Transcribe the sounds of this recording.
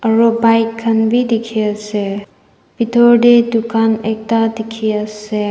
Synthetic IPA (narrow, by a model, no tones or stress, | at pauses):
əɹɔbajkʰːənbidikʰiase | b̥itʰɔɾdedukanek̚tadikʰiase